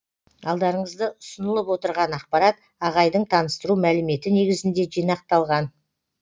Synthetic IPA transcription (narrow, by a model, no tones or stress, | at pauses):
ɑlˠd̪ɑɾəɴəzd̪əʊsənəlˠəpwo̞t̪əɾʁɑnɑq̚pɑɾɑt̪̚ | ɑʁɑjd̪əɴt̪ʰɑnəst̪əɾumælɪme̞t̪ɪne̞ɡʲɪzɪnd̪e̞ʒijnɑq̚t̪ɑlˠʁɑn